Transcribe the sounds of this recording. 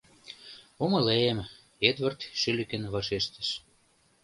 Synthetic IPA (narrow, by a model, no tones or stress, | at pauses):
omɤ̆leem | ed̪βə̆rt̪ʃylɘ̆kɘ̆nβɑʃeʃt̪ə̆ʃ